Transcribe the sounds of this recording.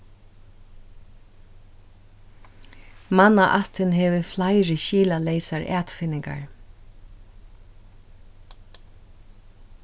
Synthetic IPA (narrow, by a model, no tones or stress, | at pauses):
manaʔat̪ɪnɦɛːʋɪflaɪɹɪʃiːlaleɪsaɹʔɛːt̪fɪnɪŋka̰ɹ